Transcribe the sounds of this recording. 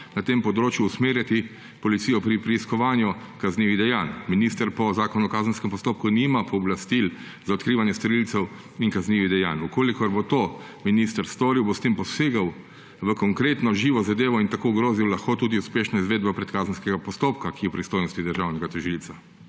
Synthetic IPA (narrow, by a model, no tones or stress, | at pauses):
nat̪eːmpɔd̪ɾoːt͡ʃjuːsmeːɾjat̪i | pɔlit̪siːjɔpɾipɾɛiskɔʋaːnju | kazniːʋiɣd̪ɛjaːnminist̪əɾpɔzaːkɔnɔkaːzən̩skɛmpɔst̪oːpkunimapɔːblast̪il | zaɔt̪kɾiːʋanjɛst̪ɔɾilt̪sɛw | iŋkazniːʋid̪ɛja̰ːnukoːlikɔɾbot̪oː | minist̪əɾst̪oːɾiwbost̪empɔseːɡaw | ʋəkɔŋkɾeːt̪nɔʒiːʋɔzad̪eːʋɔint̪akoːɡɾoːziwlɐxkoːt̪uːd̪iuspeːʃnɔizʋeːd̪bapɾɛt̪kaːzənskɛɡapɔst̪oːp̚kakiɛpɾist̪oːjnɔst̪id̪əɾʒawnɛɡat̪ɔʒilsa